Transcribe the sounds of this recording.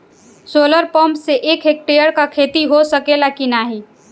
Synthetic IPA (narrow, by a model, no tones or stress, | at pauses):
soːləɾpəmseʔeːkʰeːk̚ʈeːjəɽkakʰeːt̪iɦosəkelakinaːɦi